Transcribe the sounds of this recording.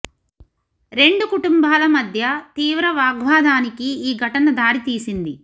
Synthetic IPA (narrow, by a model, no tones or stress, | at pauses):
ɾe̞ɳɖukuʈumbaːlɐmɐd̪ʱjɐt̪iːʋɾɐʋaːɡʋaːd̪ʱaːnikiiːɡʱɐʈɐnɐd̪aːɾit̪iːsind̪i